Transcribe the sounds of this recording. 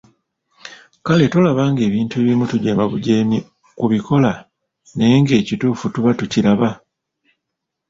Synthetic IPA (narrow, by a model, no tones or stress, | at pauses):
kale̞to̞laβaːŋɡe̞ːβiːntueːβimutuɟeːmaβuɟemi | kuβiko̞la | ne̞ːŋɡe̞ːcituːfutuβatuciɾaβa